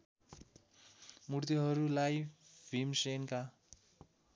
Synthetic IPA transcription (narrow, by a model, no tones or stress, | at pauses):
muɾt̪iɦʌɾulajbʱimsenka